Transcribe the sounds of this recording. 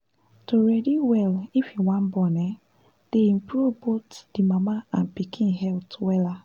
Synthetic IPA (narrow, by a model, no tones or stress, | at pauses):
toɹɛdiwɛlifĩwãnbɔnɛ | d̥eĩmpɾuvbotd̥imamaãnpikʰĩnɦɛltwɛla